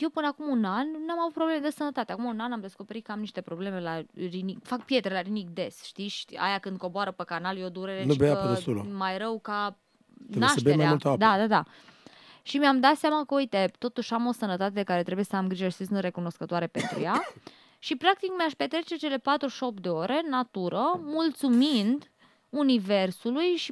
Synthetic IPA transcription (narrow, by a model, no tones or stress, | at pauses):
jewpɨnəakumunanːamavut̪̚pɾobleme̞d̪esənət̪at̪eakumaunanamd̪esko̞pe̞ɾit̪̚kəamniʃt̪e̞pɾo̞ble̞me̞laɾinikfak̚pje̞t̪ɾelaɾinik̚d̪e̞sʃt̪iʃa̰jakɨnd̪̚ko̞boaɾəpəkanaljod̪uɾeɾenubejasul̰majɾəwka | aʃəeeɾmajamult̪əad̪ad̪ad̪a | ʃimeamd̪at̪seamakəujt̪e̞t̪o̞t̪uʃamo̞sənət̪at̪ed̪e̞kaɾet̪ɾe̞buje̞səamɡɾiʒəʃi̥sisɨnt̪re̞kuno̞skət̪oaɾe̞pe̞nt̪ɾṵja | ʃipɾak̚t̪ikmeaʃpe̞t̪ɾe̞t͡ʃe̞t͡ʃe̞le̞pat̪ɾuʃo̞pd̪e̞o̞ɾe̞nat̪uɾəmult̪sumind̪ | unive̞rsulujʃi